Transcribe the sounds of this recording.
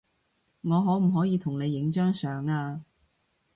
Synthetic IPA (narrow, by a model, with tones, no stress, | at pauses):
ŋɔː˨˧ɦɔː˨˥m̩˨˩ɦɔː˨˥jiː˨˧t̪ʰʊ˨˩ŋne˨˧jːɪ˨˥ŋt͡ʃœː˥ŋsœː˨˧ŋaː˧